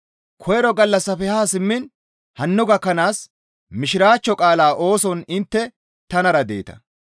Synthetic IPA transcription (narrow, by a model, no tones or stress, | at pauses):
kʰɔjɛɾɔɡɐlːɐsːɐfɛhaːsɪmːɪn | hɐnːʊɡɐkːɐnaːs | mɪʃɪɾaːt͡ʃːɔkʼaːlaːʔo̞ːsɔnɪnt̪ːɛ | t̪ɐnɐɾɐd̪e̞̰ːt̪ɐ̥̰